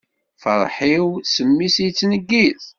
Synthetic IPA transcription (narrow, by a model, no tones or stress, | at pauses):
fə̰ɾˤħiwsəmːisijt͡sːnəɡːiθ